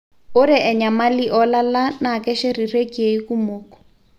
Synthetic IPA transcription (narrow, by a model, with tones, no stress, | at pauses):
ʊ˦ɾɪ˦ʔɛ˨ɲa˨ma˦li˦ʔɔ˦la˦la˦na˨kʼɛ˦ʃe˦ri˨re˦kʼie˨iku˦moːkɔ̥